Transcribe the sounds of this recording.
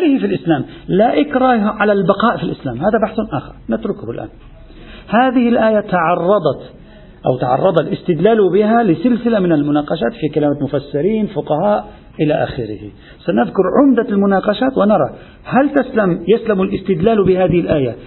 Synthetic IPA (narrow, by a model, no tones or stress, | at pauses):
lɪhɪfilʔɪslaːm | laʔɪkɾɑːhʕalalbɑqɑːʔfilʔɪslaːmhaːðabaħθnʔa̰ːxɑ̰ɾˤnɪt̪ɾʊkhʊlʔa̰ːn | haːðɪhɪlʔaːjat̪ɑʕɑrˤːɑd̪ˤɑt̪ | ʔa̰wt̪ɑʕɑ̰rˤːɑd̪ˤɑlʔɪst̪ɪd̪laːlubɪɦalɪsɪlsɪlamɪnalmʊnɑːqɑʃaːt̪fikalaːmamʊfasːɪɾiːnfʊqɑhaːʔ | ʔɪlaʔa̰xɪɾɪ̰hɪ | sanɪðkʊɾˤʕʊmd̪almʊnɑːqɑʃaːt̪wɪnɑɾˤɑ̰ | halt̪aslamjaslamʊlʔɪst̪ɪd̪laːlbɪhaːðɪhɪlʔaːja